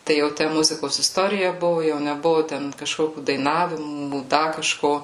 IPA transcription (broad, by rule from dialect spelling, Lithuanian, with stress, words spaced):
ˈtɐɪ jɛʊ ˈtʲæ ˈmʊzʲɪkoːs ɪsˈtoːrʲɪjɛ ˈbʊʋʊ jɛʊ nʲɛˈbʊʋʊ ˈtʲɛn kɐˈʃkoːkʲʊ dɐɪˈnɑːʋʲɪmuː ˈdɐ kɐˈʃkoː